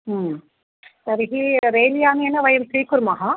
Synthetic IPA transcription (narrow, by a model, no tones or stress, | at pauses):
sɐɾɪɦiɾeːlijaːŋenːɐʋɐjɐmt̪ɾiːkʊɾmaɦa